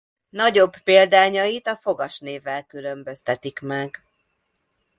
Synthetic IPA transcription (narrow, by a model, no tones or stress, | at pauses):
nɒɟo̞bːeːld̪aːɲɒjit̪ɒfo̞ɡɒʃneːvːɛlkylømbø̞st̪ɛt̪ikmɛɡ